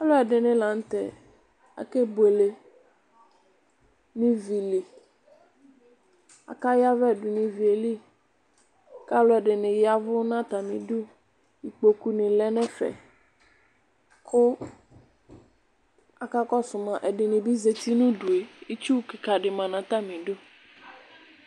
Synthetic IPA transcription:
a˦lo˦ɛ˨ɖɪ˨nɪ̃˨la˨n̩˦t̪ɛ̰˨ | a̰˨ke˦bwe˨le˨ | nĩ˦vi˨li˨ | a̰˨ka˦ja˦vɛ˦˨du˨nɪ̃˨vi˨e˨li˦ | ka˦lʊ˦ɛ˨ɖɪ˨nɪ̃˨ja˦vʊ˦nã˦t̪a˨mĩ˨du˦ | i˨k͡po˨ku˨nɪ̃˨lɛ˦nɛ̃˦fɛ̰˨ | kʰʊ˦ | a˨ka˦kɔ˦sʊ˨mã˨ʔɛ˨ɖɪ˨nɪ̃˨bi˦ze˨t̪i˦nũ˦du˨e˨i˦t͡ʃu˦ke˨ka˨ɖɪ˨mã˨nã˨t̪a˦mĩ˨ɖo˦

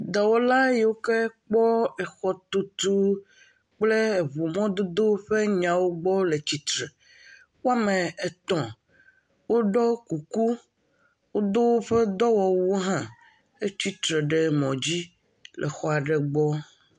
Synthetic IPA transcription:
d̪a˨wo˦la˦je˨wo˦ke˦k͡pɔ˦ɛ˨xɔ˦t̪o˦t̪u˦ | k͡ple˦e˨βu˨mɔ̃˦d̪o˦d̪o˦ɸe˦ɲã˨wo˦ɡ͡bɔ˦le˨t͡ɕi˨t̪ɾe˨ | wo˦a˦mẽ˨e˨t̪ɔ̃˨ | wo˦ɖɔ˦ku˨ku˦ | wo˦d̪o˦wo˦ɸe˦d̪ɔ˦wɔ˨wo˦ɦã˦ | e˦t͡ɕi˦t̪ɾe˨ɖe˦mɔ̃˨d͡ʑi˦ | lʔɛ̰˨xɔ˦a˨ɖe˨ɡ͡bɔ˦

